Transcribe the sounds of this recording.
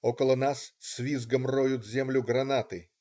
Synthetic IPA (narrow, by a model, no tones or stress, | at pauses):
okəlˠənassʲvʲizɡəmrojʊt̪zʲemlʲʊɡɾɐnat̪ɨ